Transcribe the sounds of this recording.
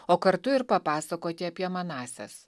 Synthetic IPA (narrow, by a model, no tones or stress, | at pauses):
oːkɐɾt̪ʊɪɾpɐpɑːsɐkoːt̪ʲɪɐpʲjiɛmɐnɑːsʲɛ̰s